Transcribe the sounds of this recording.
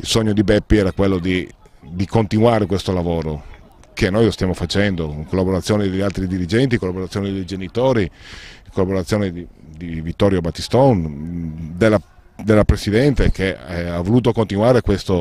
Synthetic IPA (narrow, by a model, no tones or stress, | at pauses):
ilsoɲːod̪ibɛpːiɛːɾakwelːod̪i | d̪ikont̪inuaːɾekwest̪olavoːɾo | kenːojlost̪jamofat͡ʃɛnd̪oiŋkolːaboɾat̪sːjɔːned̪eʎalt̪ɾid̪iɾid͡ʒɛnt̪̬ikolːaboɾat̪sjoɔːned̪ejd͡ʒenit̪oːɾiikolːaboɾat̪sjoːned̪id̪ivit̪ːɔːɾjobat̪ːist̪ɔn | d̪elːa | d̪elːapɾesid̪ɛnt̪ekeavoluːt̪okont̪inwaːɾekwest̪o